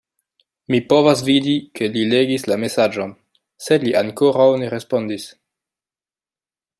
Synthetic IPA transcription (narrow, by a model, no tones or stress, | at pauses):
mipo̞vas̬vidikelileɡislame̞sad͡ʒon | sedliʔaŋkoɾawneɾespo̞ndis